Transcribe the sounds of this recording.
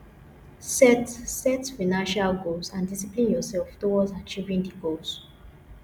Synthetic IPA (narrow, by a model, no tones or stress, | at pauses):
sɛtsɛtfinãnʃalɡolsãndisiplĩnjɔsɛlftowɔtat͡ʃivĩndiɡols